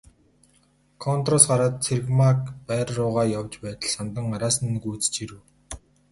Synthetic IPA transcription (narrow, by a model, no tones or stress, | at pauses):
kʰɔnt̪rɔsɢaɾaːt̪̚t͡sʰerɣmakpæːrːʊːʁaːjawt͡ɕpæːt̪ə̆ɮsant̪ə̆ŋaɾaːsə̆nːɵ̆ɡut͡st͡ɕiɾɘ̆w